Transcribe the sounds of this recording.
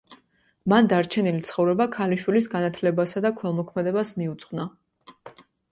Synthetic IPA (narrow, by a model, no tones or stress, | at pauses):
mand̪aɾt͡ʃʰɛnilit̪sʰχɔvɾɛbakʰaliʃwilisɡanat̪ʰlɛbasad̪akʰwɛlˠmɔkʰmɛd̪ɛbasmiut̪sʰʼχwna